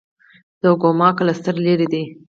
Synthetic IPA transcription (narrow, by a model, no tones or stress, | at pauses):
d̪̥əɡomɑklast̪əɾleɾid̪i